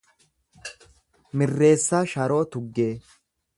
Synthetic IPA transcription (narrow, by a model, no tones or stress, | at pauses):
mɪrːe̞ːsːaːʃɐɾo̞ːt̪ʊɡːe̞ː